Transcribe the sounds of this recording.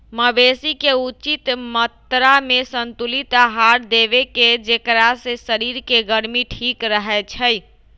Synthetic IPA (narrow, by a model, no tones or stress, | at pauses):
məbesikeut͡ʃit̪mət̪ɾamesənt̪ulit̪aɦaɾd̪eβeked͡ʒekɾasesəɾiɾkeɡəɾmiʈʰikɾəɦɛt͡ʃʰəj